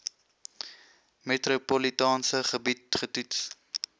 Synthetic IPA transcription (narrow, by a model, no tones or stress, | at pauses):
metɾopolitɑːnsəχəbit̚χətuts